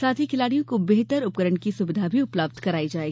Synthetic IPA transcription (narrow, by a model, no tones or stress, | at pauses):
saːt̪ʰikʰɪlaːɽijõkobeɦt̪əɾʊp̚kəɾəɳkisʊbɪd̪ʱabʱiʊpləb̚d̪ʱkɐɾaːid͡ʒaːeːɡi